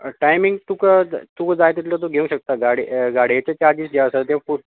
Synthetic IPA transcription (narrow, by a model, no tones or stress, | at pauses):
ʈajmiŋɡt̪ukəd͡zt̪ukəd͡zajt̪it̪lət̪̬uɡʱeũɕək̚t̪aɡaɽiɡaɽiet͡ɕet͡ɕaɾd͡ʑiːsd͡ʑaəsət̪̬jẽãfu